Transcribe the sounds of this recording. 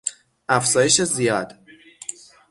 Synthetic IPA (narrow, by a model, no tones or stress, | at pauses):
ʔæfz̥ɒːje̞ʃezijɒːd̪